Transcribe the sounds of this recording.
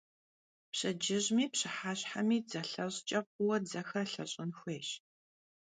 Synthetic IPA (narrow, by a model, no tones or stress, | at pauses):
pɕɐd͡ʒɪʑmiːpɕɨħaːɕħamiːd͡zɐɬɐɕʼt͡ʃʼɐpʷʊwɐd͡zɐxɐrɬɐɕʼɪnxʷeːɕ